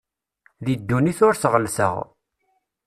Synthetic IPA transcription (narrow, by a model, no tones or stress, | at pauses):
ðid̪ːuniθʊɾθʁəlsə̰ʁ